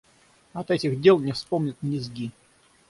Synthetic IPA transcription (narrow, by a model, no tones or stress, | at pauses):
ɐt̪ɛtʲɪɣdʲelˠnʲɪfspomnʲɪt̪̚nʲɪzɡʲi